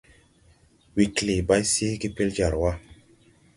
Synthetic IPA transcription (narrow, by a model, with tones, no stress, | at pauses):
wi˨kle˨ba˦jsi˦ɡi˦pe˦ld͡ʒa˨ɾwa˦